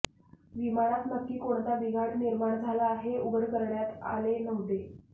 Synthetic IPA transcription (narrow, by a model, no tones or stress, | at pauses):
ʋimaɽ̃at̪nəkːiːkoɳt̪abiɡaɳniɾmaɳd͡zʱalaːɦeubəɾkəɾɳjat̪a̰lenəɦd̪e